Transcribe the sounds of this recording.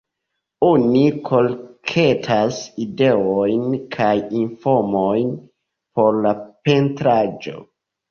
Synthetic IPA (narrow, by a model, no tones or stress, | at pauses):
onikʰo̞lkʰetʰaside̞ojnkʰajinfoɾmojn | po̞ɾlape̞ntɾad͡ʒo̞̰